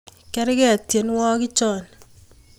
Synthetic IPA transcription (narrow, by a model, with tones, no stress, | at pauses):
kɛ˦ɾɪkɛ˦˨tje˨nwɔ˦kɪ˦t͡ʃɔː˦˨n